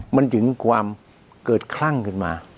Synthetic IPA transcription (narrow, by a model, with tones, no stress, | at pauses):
ma˧nt͡ɕɯ˩˦ŋkʰwaː˧m | kɤː˨˩t̪̚kʰla˥˩ŋkʰɯ˧˥˩nmaː˧